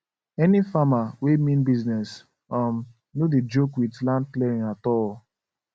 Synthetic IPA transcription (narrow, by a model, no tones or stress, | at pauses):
ɛnifamawemĩnbiznɛs | ɔm | noded͡ʒokwidlãnd̚klɛɹĩnatɔl